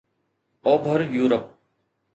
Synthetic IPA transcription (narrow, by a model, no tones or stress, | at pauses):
oːbʱəɾjuːɾəp̚